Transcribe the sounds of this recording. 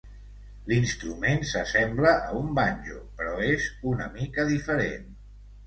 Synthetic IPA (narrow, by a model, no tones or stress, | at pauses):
linst̪ɾumensəsɛmbləʔəumbanʲʒṵpɾɔezunəmikəðifəɾḛn